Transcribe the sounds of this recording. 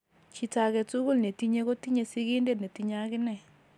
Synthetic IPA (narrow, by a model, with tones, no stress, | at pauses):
t͡ʃi˨ta˨ɣɛ˨tu˦ɣu˦˨lne˨ti˦ɲe˦ɣo˦ti˦ɲe˨si˦ɣi˦nde˦˨ne˨ti˨ɲa˦ɣɪ˦nɛ˦˨